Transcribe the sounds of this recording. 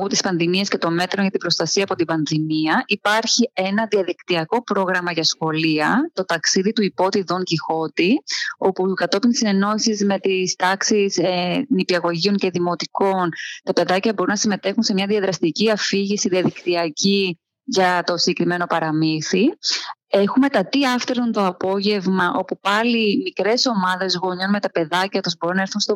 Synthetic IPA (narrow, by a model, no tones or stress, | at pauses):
ut̪ispɐnðimiɐsce̞t̪o̞me̞t̪ɾoʝɐt̪ibɾo̞st̪ɐsiɐːpo̞t̪ibɐnðimiɐʔipɐɾçie̞nɐðiɐðikt̪iɐko̞pɾo̞ɣɾɐmɐʝɐsxo̞liɐt̪o̞t̪ɐksiðit̪uipo̞t̪iðo̞ŋcixo̞t̪io̞pukɐt̪o̞pinsine̞no̞isizme̞t̪ist̪ɐksiznipiɐɣo̞ʝio̞ŋce̞ðimo̞t̪iko̞nt̪ɐpe̞ðɐcɐbo̞ɾunɐsime̞t̪e̞xunse̞mɲɐðiɐðɾɐst̪iciɐfiʝisiðiɐðikt̪iɐci | ʝɐt̪o̞siɟekɾime̞no̞pɐɾɐmiθi | e̞xume̞t̪ɐt̪iɐft̪eɾunt̪o̞ɐpo̞ʝe̞vmɐʔo̞pupɐlimikɾe̞so̞mɐðe̞zɣo̞ɲo̞nme̞t̪ɐpe̞ðɐcɐt̪uzbo̞ɾunɐe̞ɾθunst̪o